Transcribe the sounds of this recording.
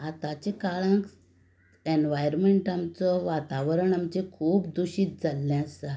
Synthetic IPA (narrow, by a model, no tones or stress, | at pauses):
at̪ãt͡ɕekaɭãŋk | enʋajɾmeɳʈamt͡sɔʋat̪aʋɾəɳamt͡ɕekʰuːp̚d̪uɕiːt̪̚d͡zalːɛ̃əsa